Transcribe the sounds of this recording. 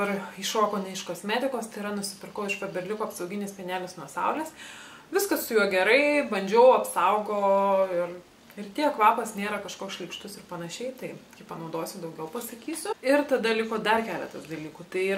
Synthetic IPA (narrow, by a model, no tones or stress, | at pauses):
bɐrɪʃoːkoːnʲɛɪʃkoːsʲmʲet̪ʲɪkoːst̪ɐɪɾɐnʊsʲɪ̥pʲɪrkɐʊɪʃpɐbʲɛrʲlʲɪkoːɐpsɐʊɡʲɪnʲeːspʲɛnʲæːlʲɪsnuɔsɑʊlʲeːs | ʋʲɪskɐssʊjuɔɡʲɛɾɐɪbɐnʲd͡ʒʲɛʊɐpsɐʊɡoːɪr | ɪɾt̪ʲiɛkʋɑːpɐsnʲeːɾɐkɐʃkoːʃʲlʲɪkʃt̪ʊsɪrpɐnɐʃʲɛɪt̪ɐɪkʲɪpɐnɐʊd̪oːsʲʊd̪ɐʊɡʲɛʊpɐsɐkʲiːsʲʊɪrt̪ɐd̪ɐlʲɪkoːd̪ɐrkʲæːlʲɛ̰t̪ɐsd̪ɐlʲiːkuːt̪ɐɪi